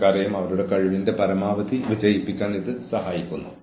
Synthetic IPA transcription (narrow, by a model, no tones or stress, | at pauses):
kaːɾɐjumɐʋɐɾuɽe̞kɐɻiʋinde̞pɐɾɐmaːʋɐd̪iʋid͡ʑɐjipːikʲːaːniðɨsɐhaːjikʲːunːu